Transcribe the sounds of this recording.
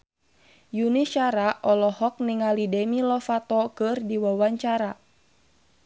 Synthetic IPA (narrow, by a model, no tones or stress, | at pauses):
juniʃaɾaʔɔlɔhɔk̚niŋalidɛmilɔfat̪ɔkɨrdiwawaɲt͡ʃaɾa